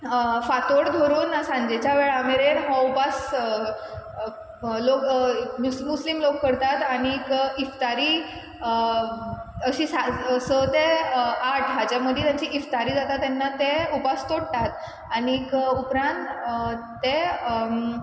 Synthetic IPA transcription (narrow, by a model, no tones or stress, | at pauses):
fat̪oɽd̪ʱoɾuːnasãɲd͡ʑet͡ɕaʋeɭameɾenɦɔ̃upas | lokmumuslimlokːəɾt̪at̪aɽ̃ikift̪aɾiː | ə | əɕiːsasət̪eaʈʰɦad͡ʑaməd̪ʱjet̪jaɲt͡ɕiʔift̪aɾiːd͡zat̪at̪ːɛnːat̪eupast̪oɽʈ̪at̪ | aɽ̃ikupɾãnt̪ː | e